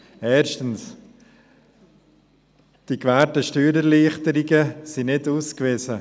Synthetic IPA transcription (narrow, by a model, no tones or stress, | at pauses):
ɛːɾʃtəns | d̥ikvɛːɾtəʃtyːɾɛɾliːχtəɾɪɡəsinɪduːskveːsə